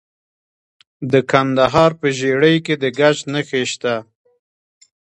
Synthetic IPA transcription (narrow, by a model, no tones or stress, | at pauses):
d̪əkand̪aɦɑɾpəʒeɽəjked̪əɡat͡ʃnəxeʃt̪a